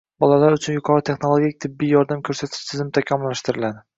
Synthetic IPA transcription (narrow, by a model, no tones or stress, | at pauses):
bɒlalaɾʊt͡ʃʰʊnjʊqʰɒɾɪt̪ʰe̞χno̞lˠoɡʲik̚ʲt̪ʰɪbːijɒɾd̪amkʲʰɵɾsat̪ʰɪ̥ʃt̪ʰɪzɪmt̪ʰakʲʰamːʊlːaʃt̪ʰɪɾɪlad̪ɪ